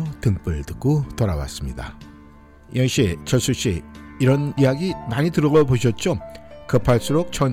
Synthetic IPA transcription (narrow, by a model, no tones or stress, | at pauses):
otɯŋp͈ɯɭtɯk̚k͈otʌɾawa̰s͈ɯmɲida̰ | jʌŋɕit͡ɕʌs͈ʰuɕ͈iiɾʌnijaɡimaɲitɯɾʌɡʌpoɕʰʌt̚t͡ɕ͈okɯpʰaɭs͈uɾok̚t͡ɕ͈ʌn